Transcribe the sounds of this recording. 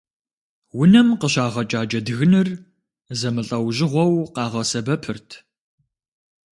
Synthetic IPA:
wʊnɐmqəɕaːʁɐt͡ʃʼaːd͡ʒɐdɨɣɨnɨr | zɐmɨɬʼɐwʑɪʁʷɔwqɑːʁɐsɐbɐpʰɨrtʰ

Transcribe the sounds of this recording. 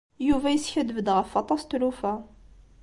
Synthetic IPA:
juvæjəsçæd̪vəd̪ʁəfːɑt̪ˤɑst̪lufæ

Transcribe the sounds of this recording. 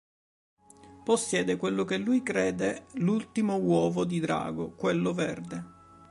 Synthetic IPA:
posːjɛːd̪ekwelːokelːujkɾɛːd̪elult̪imowɔːvod̪id̪ɾa̰ːɡokwelːovɛrd̪e

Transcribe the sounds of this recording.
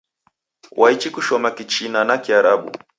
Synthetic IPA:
wʔait͡ʃikuʃɔmakit͡ʃinanakiaɾaɓṵ

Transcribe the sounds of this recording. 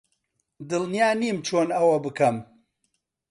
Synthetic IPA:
d̪ɨlˠnijaːniːmt͡ʃʰoːnɐwɐbɨkɐm

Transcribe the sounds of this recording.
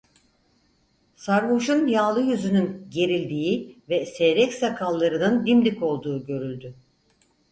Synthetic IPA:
saɾvuʃunjaːlˠɯjyzynynɟe̞ɾilʲd̪iːvɛsɛɾɛcsakʰalˠːaɾɯnɯnd̪imlʲiko̞lˠd̪uːɟø̞ɾylʲd̪y

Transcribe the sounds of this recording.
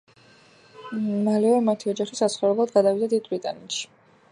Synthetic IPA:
maliɔɾmat̪ʰiɔd͡ʒaχisat̪sʰχɔvɾɛblˠad̪ɡad̪avid̪ad̪id̪̚bɾit̪ʼa̰nɛt̪ʃi̥

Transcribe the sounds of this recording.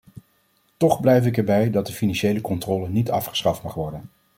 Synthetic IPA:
tɔχblɛjfɪkɛɹbɛjdɑt̚dəfinɑnʃejləkɔntrɔːlənitɑ̰fχə̥sχɑftmɑχʋɔɹdən

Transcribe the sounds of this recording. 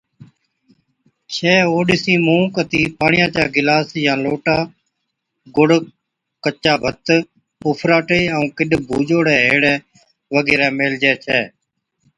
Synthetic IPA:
t͡ʃʰɛːoːɗɪsĩːmõːkət̪iːpaːɳɪjãːt͡ʃaːɡɪlaːsjãːloːʈaː | ɡʊɽ | kət͡ʃːaːbʱət̪ | ʊːpʰɾaːʈeːəũːkɪɗbʱuːd͡ʒoːɽɛːɦeːɽɛː | ʋəɡeːɾɛːmeːld͡ʒɛːt͡ʃʰɛː

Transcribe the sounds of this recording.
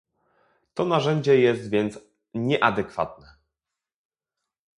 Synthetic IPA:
t̪ɔnaʐɛɲd͡ʑɛjɛst̪vʲjɛnt̪s | ɲɛʔad̪ɛkfa̰t̪nɛ

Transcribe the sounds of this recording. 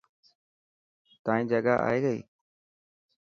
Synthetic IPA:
t̪ãːĩːd͡ʒəɡaːʔa̰ːiːɡəḭː

